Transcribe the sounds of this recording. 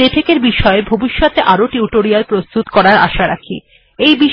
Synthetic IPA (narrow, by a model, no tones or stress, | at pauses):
et̪ʰekeɾbiʃɔebʱobiʃːot̪eʔaɾoʈiuʈoɾialpɾost̪ut̪kɔɾaɾa̰ʃaɾa̰kʰḭ | ejbiʃ